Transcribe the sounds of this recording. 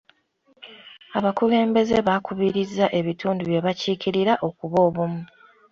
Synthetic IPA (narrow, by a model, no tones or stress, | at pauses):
aβakule̞ːmbe̞ze̞βakʰuβiɾizːaʔe̞βitʰuːnduβje̞βaciːkiɾiɾaʔo̞kuβo̞ːβumu